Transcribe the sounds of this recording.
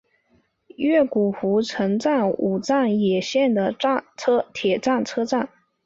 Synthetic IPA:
ɥɛ˥˩ku˨˩xu˧˥ʈ͡ʂʰɤ˧˥ŋʈ͡ʂa˥˩nu˨˩t͡sa˥˩njɛ˨˩ɕjɛ˥˩nd̪ə˩˥˧t͡sʰɤ˥t̪ʰjɛ˨˩ʈ͡ʂa˥˩nt͡sʰɤ˥ʈ͡ʂa˥˩n

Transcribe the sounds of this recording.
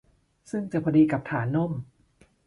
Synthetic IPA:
sɯ˥˩ŋt͡ɕa˨˩pʰa˧diː˧ka˨˩p̚t̪ʰaː˩˦nːo˥˩m

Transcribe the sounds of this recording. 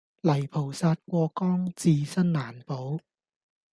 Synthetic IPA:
lɐ˨˩jpʰo˨˩˦wsaː˧˥t̪̚kwɔː˧kɔː˥˩ŋt͡siː˧sa˥nːaː˨˩˦npo˨˦w

